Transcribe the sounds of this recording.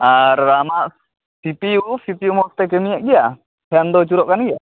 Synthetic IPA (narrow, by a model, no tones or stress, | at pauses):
aramaʔ | sipiusipiumɔst̪ɛk̬emiɲaʔɡia | heand̪ɔt͡ʃuɾɔʔkanɡia